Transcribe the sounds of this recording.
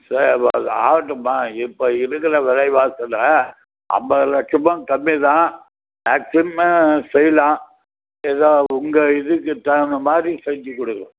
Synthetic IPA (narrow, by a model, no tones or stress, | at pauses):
sɐɾɐpːɐðɯa̰ːʋɐʈːɯmaːɪpːoɪɾɯkːɐɾɐʋɛɾɐɪʋaːsɐlɐ | ʔɐ̰mbɐlɐt͡ʃːʊmɐ̃kɐmːɪðãː | meːksɪmsɛjːɐlãː | ɛðaːʊŋɡɐɪðɯkːɯt̪ːɐnɐmaːd̪ɾisɛɲd͡ʒikːɔɽɯkːɯɾɐ̃